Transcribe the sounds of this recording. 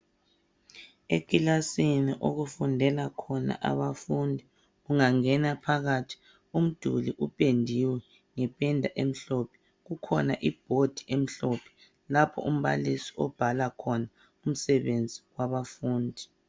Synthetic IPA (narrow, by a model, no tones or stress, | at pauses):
ekʼilasiniʔoɣufundʱɛlakʰɔna̰ʔa̰βafundʱi | ɣuŋaŋɛnapʰaɣatʰi̥ | um̩d̥ʱṵliʔupʼendʱiwɛ | ŋɛpʼɛndʱaʔem̩ɬɔpʰɛ̥ | ɣukʰɔnaʔib̥ʱod̥ʱiʔem̩ɬɔpʰɛ̥ | lapʰɔ̰ʔum̩βa̰lisiɔb̥ʱalakʰɔna | um̩sɛβend͡zʱiɣwaβafuːndʱi